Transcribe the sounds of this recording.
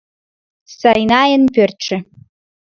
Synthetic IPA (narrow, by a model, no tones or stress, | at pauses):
sɑjnɑjənpørt̪ʃĕ